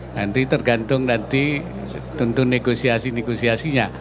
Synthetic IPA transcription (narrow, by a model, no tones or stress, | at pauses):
nant̪it̪ərɡant̪ʊŋnant̪i | t̪unt̪ʊnːeɡosiasineɡosiasiɲa